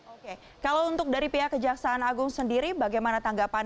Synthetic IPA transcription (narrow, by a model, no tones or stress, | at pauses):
oke | kalawunt̪ʊk̚daɾipiɦakəd͡ʒaksaːnaɡʊŋsəndiɾibaɡajmanat̪aŋɡapa